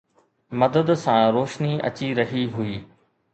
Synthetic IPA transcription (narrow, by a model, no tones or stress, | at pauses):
mɐd̪əd̪sãɾoːʃniɐ̰t͡ɕiɾɐɦiɦʊiː